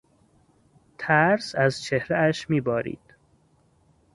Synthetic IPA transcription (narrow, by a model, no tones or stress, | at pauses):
t̪ʰæɾsæzt͡ʃʰe̞hɾeæʃmiːbɒːɾḭːd̪̥